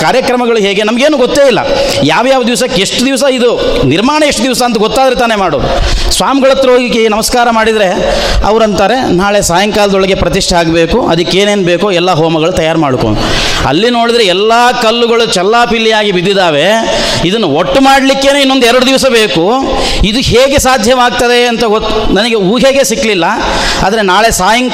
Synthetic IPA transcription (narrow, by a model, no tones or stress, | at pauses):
kaːɾjɐkɾɐmɐɡɐɭuɦe̞ːɡe̞nɐmɐɡeːnuːɡɔt̪ːeːilːɐ̰jaːʋjaːʋɐd̪iʋɐsɐkːeeʂʈud̪iʋs̬ɐid̪uniɾmaːɳɐeʂʈːud̪iʋsɐːnt̪ɐɡoɔt̪ːaːd̪ɾet̪aːne̞maːɽoːɾṵsʋaːmiɡɐɭɐt̪ːɐoːɡikːenɐmɐskaːɾɐmaːɽid̪ɾe̞ | ɐ̰ʋɾɐnt̪aːɾe̞naːɭesaːjɐŋkaːlɐd̪ɔɭɐɡe̞pɾɐt̪iʂʈɐaːɡbeːkuʔɐ̰d̪ikːe̞ːneːnbe̞ːkuɛlːɐɦoːmɐɡɐɭut̪ɐjaːɾmaːɽuko̰ɳu | ɐ̰lːino̞ːɽid̪ɾeɛlːaːkɐlːuɡɐɭut͡ʃɛlːaːpilːijaːɡibid̪ːid̪aːʋe̞ | id̪ɐnːuoʈːumaːɽlikːe̞ːneːinːo̞nd̪uɛɾɐɽud̪iʋɐsɐbe̞ːku | id̪uɦeːɡesaːd̪ʱjɐʋaːɡ̚t̪ɐd̪e̞ɐnt̪ɐɡot̪ːu | nɐnɐɡeuːɦeːɡesikːlilːɐ | aːd̪ɐɾe̞naːɭe̞saːjɐŋ